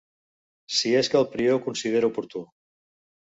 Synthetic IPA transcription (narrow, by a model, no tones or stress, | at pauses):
sieskəːlˠpɾiokunsiðeɾupuɾt̪u